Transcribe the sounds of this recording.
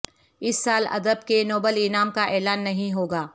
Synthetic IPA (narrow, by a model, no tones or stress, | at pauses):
ɪsːaːlɐ̰d̪əbkenoːbəlɪnaːmkaʔɛːlaːnːɐɦĩɦoːɡaː